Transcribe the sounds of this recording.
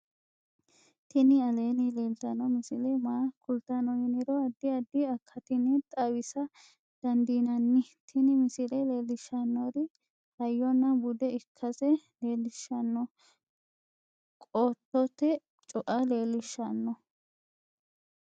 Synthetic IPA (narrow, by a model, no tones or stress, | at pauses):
t̪ɪnɪɐle̞ːnɪleːlt̪ɐnɔmɪsɪlɛmaːkʊlt̪ːanɔjɪnɪɾɔɐd̪ːɪɐd̪ːɪɐkʰːɐt̪ɪnɪt̪ʼɐwɪsɐ | d̪̥ɐnd̪iːnɐnːɪt̪ʰɪnɪmɪsɪlɛle̞ːlːɪʃːɐnːɔd̪ɪ | hɐjːɔnːɐbʊd̪ɛɪkʰːɐsɛle̞ːlːɪʃːɐnːɔ | kʼoːt̪ːɔt̪ːɛ | t͡ʃʼɔʔɐle̞ːlːɪʃːɐnːɔ